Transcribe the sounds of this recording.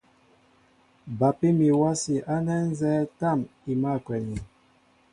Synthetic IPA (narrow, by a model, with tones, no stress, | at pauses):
ba˨pi˦mi˨wa˦si˨ʔa˦nɛ˦n̩˦zɛː˦ta˦˨mi˨ma˦˨kwɛ˨ɲi˨